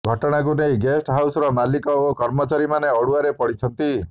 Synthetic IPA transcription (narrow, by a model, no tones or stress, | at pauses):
ɡʱɔʈɔɽ̃ak̬unejɡesʈɦawsɔɾɔmalikɔokɔɾmɔt͡ʃaɾimaneɔɽuaɾepɔɽit͡ʃʰɔnt̪i